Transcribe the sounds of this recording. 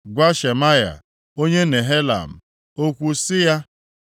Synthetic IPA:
ɡʷa˦ʃe˨ma˦ja̰˨ | o˦ɲe˦ne˨ɦe˦la̰˨m̩˨ | o˦kʷu˦sɪ˦ja˦

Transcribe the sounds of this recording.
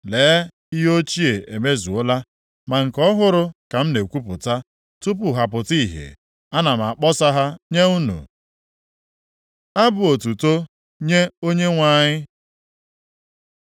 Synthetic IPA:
leː˨˦ | i˦ɦo˦t͡ʃi˦e˨e˨me˦zu˨ʊ˦la˦ | ma˨ŋ̩˨kɔ˦ɦʊ˦ɾʊ˨ka˨m̩˦ne˨kʷu˦pʊ˨ta˦ | tu˦p̬ʊ˨ɦa˨pʊ˨ti˦˨ɦḛ˨ | a˦na˨m̩˨a˨k͡pɔ˦sa˦ɦa˦ɲe˦u˦nṵ˨ | a˦bʊ˨o˨tu˨to˦ | ɲe˦o˦ɲe˦ŋʷa˦˨ɲɪ˦

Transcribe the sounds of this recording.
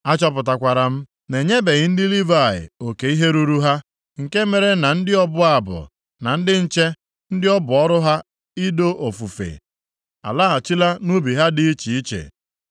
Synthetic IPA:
a˦t͡ʃɔ˦p̬ʊ˨t̬a˨kʷa˨ɾa˨m̩˦ | ne˨ɲe˦be˨ɣɪ˦n̩˦dɪ˦li˦va˦˨ɪ̰˨o˨ke˨i˦ɦe˦ɾu˦ɾu˦ɦa˦ | ŋ̩˨ke˦me˨ɾe˦na˨n̩˦dɪ˦ɔ˦bʊ˦a˨bʊ̰˨ | na˨n̩˦dɪ˦n̩˦t͡ʃe˦ | n̩˦dɪ˦ɔ˦bʊ˨ɔ˦ɾʊ˦ɦa˦ | i˦do˦ʔo˨fu˨fḛ˨ | a̰˨la˦a˨t͡ʃi˦la˦nu˦bi˨ɦa˦dɪ˦i˦t͡ʃi˨i˦t͡ʃḛ˨

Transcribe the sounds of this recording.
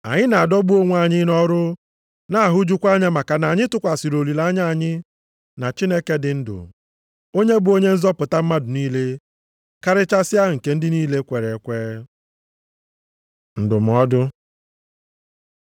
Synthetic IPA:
a̰˨ɲɪ˦na˨a˨dɔ˦bu˦o˦ŋʷ˦a˨ɲɪ˦nɔ˦ɾʊ˦ | na˦a˦˨ɦʊ˦d͡ʒu˦kʷa˦ɲa˦ma˨ka˨na˨ɲɪ˦tʊ˦kʷa˨sɪ˨ɾo˨li˨la˦ɲa˦a˨ɲɪ˦ | na˨t͡ʃi˦ne˦ke˦dɪ˨n̩˦dʊ̰˨ | o˦ɲe˦bʊ˨o˦ɲe˦n̩˦zɔ˦pʊ˨ta˦m̩˦ma˦dʊ˨niː˦le˦ | ka˦ɾɪ˦t͡ʃa˦sɪ˦a˦˨ŋ̩˨ke˦n̩˦dɪ˦niː˦le˦kʷe˨ɾe˨˦kʷeː˦ | n̩˨dʊ˨m̩˨ɔ˦dʊ˦

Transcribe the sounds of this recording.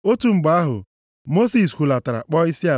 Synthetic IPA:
o˦tu˨ŋ͡m̩˨ɡ͡ba˦ɦʊ̰˨ | mo˦si˨skʷu˨la˨ta˨ɾa̰˨k͡pɔ˦i˦si˦a˨

